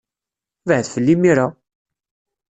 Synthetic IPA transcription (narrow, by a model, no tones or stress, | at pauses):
vhðfəlːimiɾa